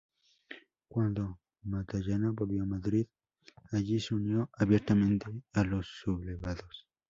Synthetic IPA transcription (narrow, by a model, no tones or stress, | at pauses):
kwand̪o | mat̪aʝanabolβjomaðɾið | aʝiseunjo̞ʔaβjeɾt̪amẽnt̪e̞alo̞sːuβleβaðos